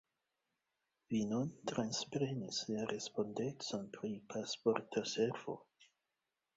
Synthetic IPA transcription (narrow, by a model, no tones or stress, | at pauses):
vinuntɾanspɾe̞nislaɾʔe̞spo̞ndet͡so̞npɾipʰaspo̞ɾtʰase̞ɾv̥o̞̰